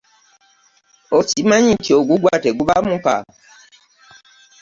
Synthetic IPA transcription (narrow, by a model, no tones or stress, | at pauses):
osimãɲĩtʰioɡuɡwatɛɡubamũka̰